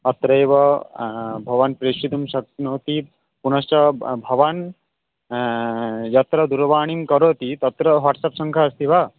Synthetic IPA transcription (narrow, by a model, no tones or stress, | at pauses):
ɐt̪ɾɐjʋɐ | bʱɐʋɐnpɾeʃit̪umʃɐktnoːt̪i | punɐʃt͡ʃɐbʱɐʋan | jɐt̪ɾɐd̪uɾʋaːɳimkɐɾoːt̪it̪ɐt̪ɾɐʋaʈsɐpsɐŋkʰaɐst̪ʰiʋa